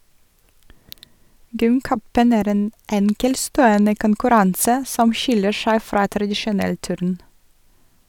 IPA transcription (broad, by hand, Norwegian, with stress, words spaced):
ˈɡʏmˌkœpən ˈæːɾ ˈeːn ˈɛŋkɛlˌstoːɔnə kʊnkʉˈɾɑnsə ˈsɔm ˈʃɪlə ˈʃæɪ ˈfɾɑː tɾɑdɪʃʊˈnɛl ˈtʉːɾn